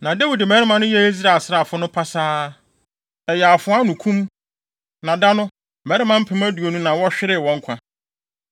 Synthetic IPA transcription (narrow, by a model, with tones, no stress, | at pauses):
nã˨dɛ˦wi˨dɪ˨mɛ˨˦ɾɪ˦mã˨nʊ̃˦jɛ˦e˦zi˦ɾa˨sɾa˨fʊ˦nʊ̃˦pʰa˦saː˦ | ɛ˨jɛ˨a˨fʊ˨˦a˦nũ˨kʰũ˦m | nã˨da˦nʊ̃˦ | mɛ˨˦ɾɪ˦mã˦m̩˦pʰɪ̃˨˦mæ˦du˨o˨nũ˦nã˨wɔ˦ɕᶣɪ˦ɾɪ˦˨wɔ̃˨˦ŋ̩˦kʷʰã˦